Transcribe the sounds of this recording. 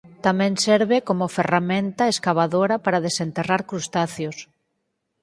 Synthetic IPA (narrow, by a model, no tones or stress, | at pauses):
t̪amẽŋseɾβekomoferamẽnt̪aeskaβ̞aðoɾapaɾaðesent̪eraɾkɾust̪aθjos